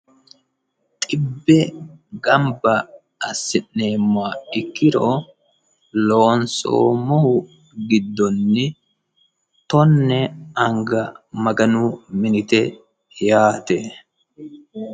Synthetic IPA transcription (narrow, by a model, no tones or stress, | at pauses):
t̪ʼɪbːɛɡɐmbɐ | ɐsːɪʔneːmːaːɪkːɪɾoː | loːnso̰ːmɔhʊ | ɡɪd̪ːɔnːɪ | t̪ɔnːɛɐŋɡɐmɐɡɐnumɪnɪt̪ɛ | jaːt̪e